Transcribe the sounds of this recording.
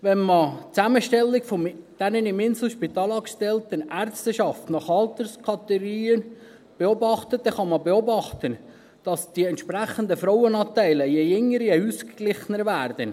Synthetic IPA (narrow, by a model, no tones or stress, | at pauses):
ʋɛnmət͡sæməʃtɛlːɪkfomd̪̥ɛnənɪmɪnsl̩ʃpit̪ɑːlɑːkʃtɛlt̪ənæɾtstəʃɑftnɑχɑlt̪əɾskʰɑt̪ɛɾiːən | b̥eɔbɑχt̪ət̚d̪ɛχɑməbeɔbɑχt̪ən | d̥ɑsd̥iɛnt̪ʃpɾæχənd̪əfɾɔwənɑːt̪æɪləjejʏŋːəɾjeuskklɪχnəɾvæːɾd̥̪ən